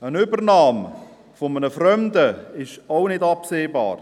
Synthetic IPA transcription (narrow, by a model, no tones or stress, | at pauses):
ənʏbərnɑːm | fomənəfrœmdəɪʃaʊnɪdɑpseːba̰ːr